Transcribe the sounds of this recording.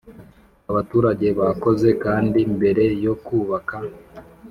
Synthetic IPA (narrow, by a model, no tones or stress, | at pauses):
aβatuːɾaɟe̞βako̞ze̞kaːndimbe̞ɾe̞jo̞kuːβaka